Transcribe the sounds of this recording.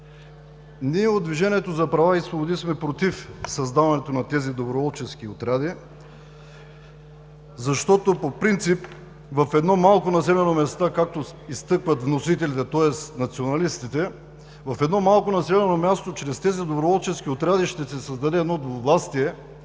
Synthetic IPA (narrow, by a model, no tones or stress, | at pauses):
niɛod̪viʒɛniɛt̪ozɐpɾɐvaisvobod̪ismɛpɾot̪ifsɐzd̪avɐnɛt̪onɐt̪ɛzid̪obɾovɔlˠt͡ʃɛsk̟iot̪ɾad̪i | zɐʃt̪ɔt̪opopɾint̪sip | vɐfɛd̪nɔmalˠkonɐs̬ɛlɛnomɛst̪akak̚t̪oist̪ɤkvɐt̪vnosit̪ɛlit̪ɛt̪ɔɛsnɐt̪sionɐlist̪it̪ɛ | vɐfɛd̪nɔmalˠkonɐsɛlɛnomʲjast̪ot͡ʃɾɛst̪ɛzid̪obɾovɔlˠt͡ʃɛsk̟iot̪ɾad̪iʃt̪ɛsɛsɐzd̪ɐd̪ɛːd̪nɔd̪ovvlˠast̪iɛ